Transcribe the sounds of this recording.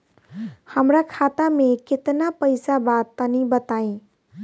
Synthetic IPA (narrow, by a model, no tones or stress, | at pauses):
həmɾakʰat̪amekɪt̪napəjsabat̪ːənibət̪aĩ